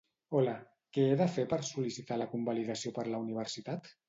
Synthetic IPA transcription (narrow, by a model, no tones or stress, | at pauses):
ɔlə | kɛeðəfepəɾsulisit̪aləkumbaliðəsiopəɾləuniβ̞əɾsit̪at̪